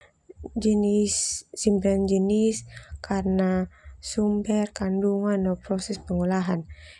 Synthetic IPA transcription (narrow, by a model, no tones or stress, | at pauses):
d͡ʒənisːimband͡ʒəniskʰarnasumbɛrkanduŋanːɔpɾɔsɛspəŋulaɦan